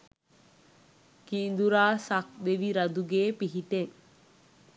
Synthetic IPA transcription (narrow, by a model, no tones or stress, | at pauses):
kiːnd̪uɾaːsakʋeʋiɾɐd̪uɡeːpiɦiʈeŋ